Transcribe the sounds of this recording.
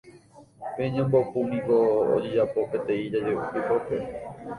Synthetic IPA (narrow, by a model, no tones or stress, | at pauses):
pẽɲãmbopũnĩkoo̰d͡ʒed͡ʒapo̞pet̪ẽĩd͡ʒad͡ʒeupipope